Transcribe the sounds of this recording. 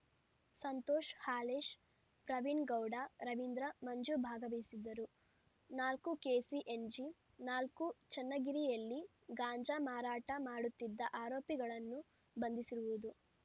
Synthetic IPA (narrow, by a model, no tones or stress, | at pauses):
sɐnt̪oːʃhaːleːʃ | pɾɐʋiɳɡɐwɖaɾɐʋind̪ɾɐmɐɲd͡ʒubʱaːɡɐʋɐjsid̪ːɐɾu | naːlkukeːsiʔend͡ʒi | naːlkut͡ʃɐnːɐɡiɾijɐlːi | ɡaːɲd͡ʒamaːɾaːʈɐmaːɽut̪ːid̪ːɐʔaːɾoːpiɡɐɭɐnːu | bɐnd̪isiɾuʋud̪u